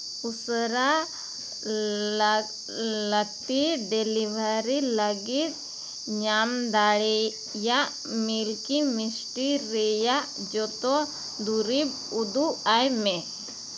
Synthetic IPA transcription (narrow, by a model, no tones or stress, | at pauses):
usɾa | lək̚t̪iɖeliʋaəɾiləɡit̪̚ | ɲamd̪aɭɛ | jaʔ | milkimisʈiɾɛjaʔd͡ʒɔt̪ɔ | d̪uɾib | ud̪uajmɛ